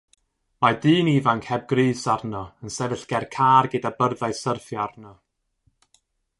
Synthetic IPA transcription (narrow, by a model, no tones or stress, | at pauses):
madɨːnivankhɛb̚ɡrɨːsarnɔənsɛvɨɬɡ̥ɛrkʰaːrɡədabərðajsərfjarnɔ